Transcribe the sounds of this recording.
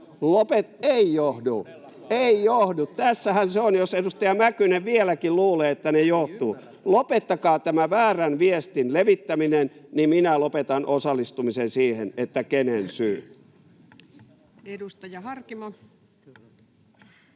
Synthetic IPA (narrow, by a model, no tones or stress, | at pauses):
lopet̪eijohdu | eijohdut̪t̪æsːæhænseonjosedust̪ɑjɑmækyneʋʋielækilluːleːet̪ːænejoht̪uː | lopet̪ːɑkɑːt̪æmæʋæːrænʋiest̪inleʋit̪ːæminennimminælopet̪ɑnʔosɑlːˑist̪umisensiːhenet̪ːækenensyː | edust̪ɑjɑhɑrkimɑ